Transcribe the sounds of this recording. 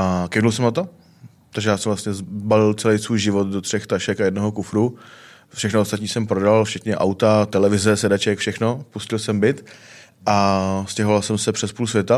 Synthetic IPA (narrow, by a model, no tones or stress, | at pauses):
ʔakɛdulsɛmnat̪o | t̪aɡʒɛjaːsɛmvlast̪ɲɛzbalɪlt͡sɛlɛjsvuːjʒɪvot̪dot̪r̝̥ɛxt̪aʃɛkajɛdnoɦokufɾu | fʃɛxnoost̪at̪ɲiːsɛmpɾodalft͡ʃɛt̪ɲɛʔa̰wt̪at̪ɛlɛvɪzɛsɛdat͡ʃɛkfʃɛxnopuscɪlsɛmbɪt̪ | ʔascʲɛɦovalsɛmsɛpr̥ɛspuːlsvjɛt̪a